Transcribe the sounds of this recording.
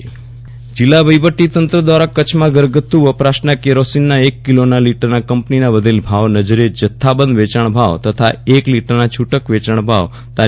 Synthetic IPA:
d͡ʒilːaʋəjʋəʈːit̪ənt̪ɾəd̪ʋaɾakət͡ʃʰmãɡəɾɡət̪ːuʋəpɾaʃnakeɾosinːaekːilonaliʈəɾnakəmpninãʋəd̪ʱelbʱaʋnəd͡ʒɾed͡ʒət̪ʰːabə̃nd̪ʋet͡ʃaɳ̃bʱaʋt̪ət̪ʰaekliʈəɾnat͡ʃʰuʈəkʋet͡ʃaɳ̃bʱaʋ | t̪a

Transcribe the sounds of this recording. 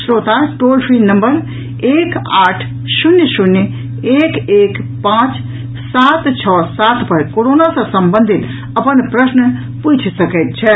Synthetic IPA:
sɾot̪aʈolpʰɾinəmbəɾ | ekaʈʰ | sunjsunj | ekekpãt͡ʃ | sat̪t͡ʃʰɔsat̪ʰpəɾkoɾonasə̃səmbənd̪ʱit̪ | əpənpɾəsn | put͡ʃʰsəkɛt̪̚t͡ʃʰɛ

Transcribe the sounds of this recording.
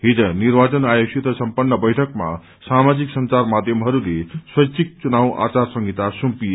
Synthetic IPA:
ɦid͡zʌnirbat͡sʌnajosit̪ʌsʌmpʌnːʌbʌjʈʰʌkma̰ | samad͡ziksʌnt͡sarmad̪ʱjʌmɦʌɾuleswʌjt͡sʰik̚t͡sunaw̃ʔa̰t͡sarsʌŋɡit̪asumpi

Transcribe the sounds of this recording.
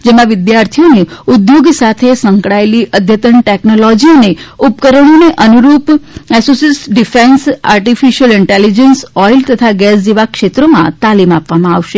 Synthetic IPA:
d͡ʒemãʋɪd̪jaɾt̪ʰijoneud̪joɡsat̪ʰesə̃ŋkɽaeliʔəd̪ʱjət̪əɳʈeknolɔd͡ʒiəneupkəɾəɳ̃oneʔənuɾupɛsosisɖifensa̰ɾʈifiʃəlɪɳʈelid͡ʒənsɔjlt̪ət̪ʰaɡɛsd͡ʒeʋakʃet̪ɾomã̰t̪alimapʋamãaʋʃe

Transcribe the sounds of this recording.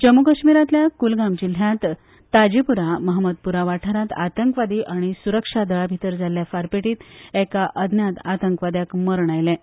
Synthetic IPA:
t͡ɕəmukəɕmiɾat̪ljakulɡamd͡ʑil̤jãt̪ː | ad͡ʑipuɾaməɦməd̪̚puɾaʋaʈʰaɾat̪a̰t̪əŋkʋad̪iʔaɽ̃isuɾəkʂad̪əɭabʱit̪əɾd͡zaljafaɾpeʈiːt̪ɛkaʔəd̪ʱnjat̪at̪əŋkʋad̪jakməɾɳajlɛ̃

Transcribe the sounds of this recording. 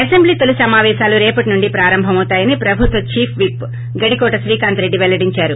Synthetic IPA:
ɐsembliːt̪olusɐmaːʋɛːʃaːluɾɛːpɐʈinuɳɖipɾaːɾɐmbʱɐmɐwt̪aːjɐnipɾɐbʱut̪ʋɐt͡ʃiːpʰʋip | ɡɐɽikɔːʈɐʃɾiːkaːnt̪ɾe̞ɖːiʋɛlːɐɽiɲt͡ʃaːɾu

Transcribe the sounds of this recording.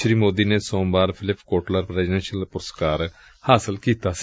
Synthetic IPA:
ʃɾiːmoːd̪iːneːsõːmbaːɾpʰɪlɪpkoːʈləɾpɾɛːzɖɛ̃nʃəlpʊɾəskaːɾ | haːsɪlkiːt̪aːs

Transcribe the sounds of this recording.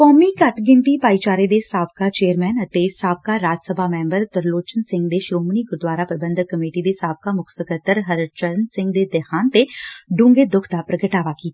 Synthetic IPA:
kɔːmiːkəʈʰɡɪɳʈ̪ipaːit͡ʃaːɾed̪esaːbʰkat͡ʃeːəɾmɛːnət̪esaːb̚kaɾaːd͡ʒsəbʱaːmɛ̃ːmbəɾt̪əɾloːt͡ʃənsɪ̃ŋɡd̪eʃɾoːməniɡʊɾd̪waːɾapɾəbə̃nd̪kəmeːʈid̪eːsaːb̚kamʊksəkət̪əɾɦəɾt͡ʃəɾənsɪ̃ŋɡ̚d̪eːd̪ɛhaːnt̪eɖʊ̃ŋɡed̪ʊkʰd̪apɾəɡəʈaːʋakiːt̪a

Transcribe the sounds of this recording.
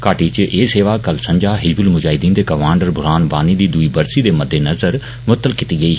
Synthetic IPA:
kaːʈiːt͡ʃeːseːʋaːkəlsə̃ɲd͡ʒaːɦɪd͡ʒbɪlmʊd͡ʒaːɦɪd̪iːnd̪eːkəmaːɳɖəɾbʱʊɾaːnbaːniːd̪iːd̪ʊiːbəɾsiːd̪eːməd̪ːeːnəzəɾ | mʊət̪ːəlkɪt̪iːɡəiː

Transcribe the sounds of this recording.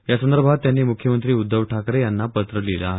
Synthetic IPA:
jasənd̪əɾbʱat̪ːjanːiːmukʰjəmənt̪ɾiːud̪ːəʋʈʰakɾejanːapət̪ɾəlila̰ɦe

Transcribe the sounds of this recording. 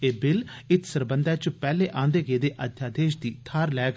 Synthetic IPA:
eːbɪlɪt̪ʰsəɾbənd̪aːt͡ʃpɛːleːʔãːnd̪eːɡeːd̪eːʔəd̪ʱjaːd̪eːʃd̪iːt̪ʰaːɾlɛːk

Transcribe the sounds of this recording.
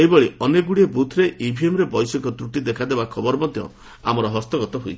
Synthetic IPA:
eɦibɔɭiɔneɡuɽiebut̪ʰɾeʔibʱiemɾebɔjsɔkɔt̪ɾuʈid̪ekʰad̪ebakʰɔbɔɾɔmɔd̪ʱjɔ̰ | a̰mɔɾɔɦɔst̪ɔɡɔt̪ɔɦujt͡ʃʰi

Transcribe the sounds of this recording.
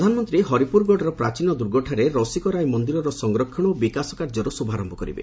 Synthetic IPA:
d̪ʱanɔmɔnt̪ɾiɦɔɾipuɾɡɔɖɔɾɔpɾat͡ʃinɔd̪uɾɡɔʈʰaɾeɾɔsikɔɾajmɔnd̪iɾɔɾɔsɔŋɡɾɔkʰːɔɽ̃ɔbikasɔkaɾd͡ʒɔɾusubʱaɾɔmbʱɔkɔɾḭbḛ

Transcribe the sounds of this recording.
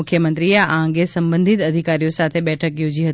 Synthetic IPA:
ʊkʰjəmə̃nt̪ɾijaʔãːŋɡesɐ̃mbə̃nd̪ʱɪt̪ɐd̪ʱikaːɾijosaːt̪ʰeɓɛːʈʰəkjoːd͡ʑiɦət̪

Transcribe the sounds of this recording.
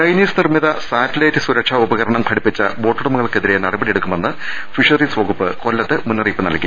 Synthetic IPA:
t͡ɕɐjniːsnirmiðɐsaːtːɐlɐtːɨsuɾɐkʂɐubɐɣɐɾɐɳɐmkʰɐɽipːit͡ɕːɐbo̞ːʈːuɽɐmuɣɐɭkeðiɾenɐɽɐbɐɽije̞ɽukːumenːɨfiʂɐriswoːɡupːɨko̞lːɐt̪ːɨmunːɐriːpːɨnɐ̰lkːi

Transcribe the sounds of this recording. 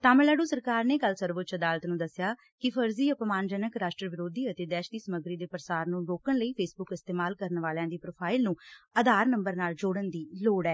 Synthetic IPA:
t̪aːməlaːɖuːsəɾkaːɾneːkəlsəɾʋʊt̪t͡ʃəd̪aːlət̪nũːd̪əsːjaː | kɪpʰəɾziːəpmaːnd͡ʒənəkɾaːʃʈɾəʋɪɾoːd̪iːət̪eːd̪ɛːʃd̪iːsəməɡɾiːd̪eːpəɾsaːɾnũːɾoːkəɳləiːpʰeːsbʊkɪst̪eːmaːlkəɾnʋaːljãːd̪iːpɾoːpʰaːɪlnũːəd̪aːɾnəmbəɾnaːld͡ʒoːɽənd̪iːloːɽɛː

